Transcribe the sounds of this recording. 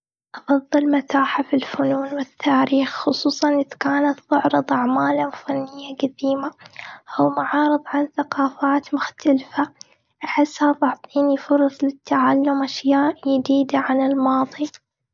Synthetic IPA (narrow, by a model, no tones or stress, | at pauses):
ʔɑfɑðˤːɨlmat̪aːħafilfʊnuːnwɪt̪ːaːɾiːxxʊsˤuːsˤɑnʔɪðkaːnat̪ðʊʕɾɨðˤʔaʕmaːlawfanːɪjːaɡad̪iːmaʔawmaʕɑːɾɨðˤʕanθaqɑːfaːt̪mʊxt̪alfa | ʔaħɪsːhafɑʕt̪ˤiːnifʊɾˤɑsˤlɪt̪ʰːaʕalːʊmʔaʃjaːʔjɪd̪iːd̪aʕanɪlmɑːðˤi